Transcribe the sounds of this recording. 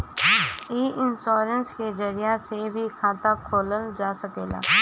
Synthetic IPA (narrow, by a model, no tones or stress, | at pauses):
eːʔɪnsoːɾənsked͡ʒəɾijasebʱikʰãːt̪akʰoːləld͡ʒaːsəkeːla̰ː